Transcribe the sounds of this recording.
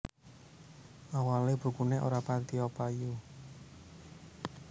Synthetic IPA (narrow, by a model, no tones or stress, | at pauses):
ʔawalebṳkuneʔo̰ɾapant̪iopaju